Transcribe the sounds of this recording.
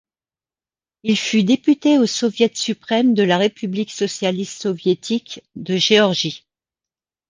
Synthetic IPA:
ilfyd̪epyt̪eosɔvjɛt̪sypχɛmd̪əlaʁepybliksɔsjalist̪sɔvjet̪ʰikd̪əʒeɔʁʒi

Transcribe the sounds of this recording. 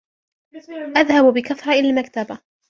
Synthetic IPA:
ʔaðhabbɪkaθɾˤɑʔɪlalmakt̪aba

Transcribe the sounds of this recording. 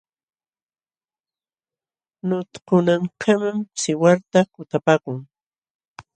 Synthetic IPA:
nʊt̪kʊnaŋkʰamamsɪwaɾt̪akʊt̪apaːkʊŋ

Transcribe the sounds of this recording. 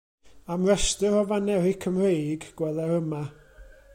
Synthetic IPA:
amrɛstɨɾɔvanɛɾɪkʰəmrejɡɡ̥wɛðˠɛɾəma

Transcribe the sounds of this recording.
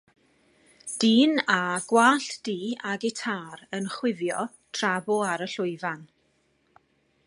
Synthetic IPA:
d̥iːnaɡ̥waːɬd̥iːaɡɪtʰaːɾənχwɪvjɔ | tʰrabɔaɾəɬʊɨvan

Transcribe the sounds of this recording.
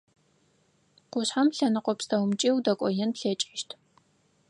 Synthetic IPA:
qʷʊɕħamɬɐnɨqʷʼɔpstʰɐwmt͡ʃʼiːwdɐkʷʼɔjɛnpɬɐt͡ʃʼɪʃtʰ

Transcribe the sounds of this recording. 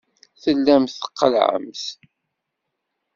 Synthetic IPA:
θəlːæmθə̥qːəlʕə̰mθ

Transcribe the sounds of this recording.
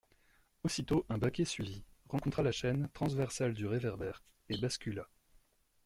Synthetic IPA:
osit̪oʔɛ̃bakʲesɥiviʁɑ̃kɔ̃t̪χalaʃɛnt̪χɑ̃zvɛʁsald̪yʁevɛʁbɛːʁ | ebaskʲyla

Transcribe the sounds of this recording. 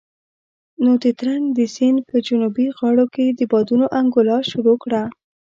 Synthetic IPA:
nod̪ət̪ɾaŋɡd̪əsinpəd͡ʒʊnubiɣɑɽoked̪əbɑd̪unoʔaŋɡʊlɑʃʊɾokɽa

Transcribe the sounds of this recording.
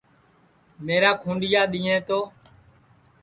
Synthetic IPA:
meːɾaːkʰũːɳɖɪjaːɗ̪iːẽːt̪oː

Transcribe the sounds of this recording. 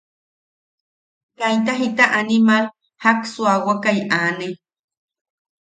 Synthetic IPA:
kajt̪̬aɦit̪aʔanimal | haksuawakajaːne

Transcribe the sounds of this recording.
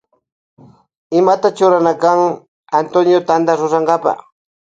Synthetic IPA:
ɪmat̪at͡ʃʊɾanakaŋ | ant̪onjot̪and̪aɾʊɾaɴɡapɑ̰χ

